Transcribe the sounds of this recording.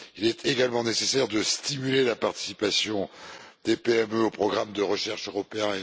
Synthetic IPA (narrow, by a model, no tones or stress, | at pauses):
ilɛt̪ʰeɡalmɑ̃nesesɛʁd̪əst̪imylelapaʁt̪i̥sipasjɔ̃d̪̥epeɛmøopχɔɡʁamd̪əʁəʃɛʁʃøʁɔpeɛ̃